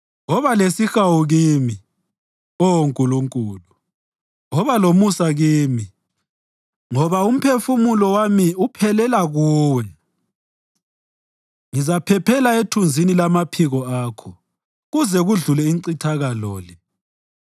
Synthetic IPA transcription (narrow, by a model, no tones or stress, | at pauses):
ɣɔβalesixawuɣiːmi | ɔŋkʼuluŋkʼuːlu | ŋɔβalomusaɣiːmi | ŋɔβaum̩pʰefumulɔwamiupʰɛlɛlaɣuːwɛ | ŋizapʰɛpʰɛlaetʰund͡zʱinilamapʰiɣɔaːkʰɔ | ɣuzɛɣuɮulɛiǀitʰaɣalɔːlɛ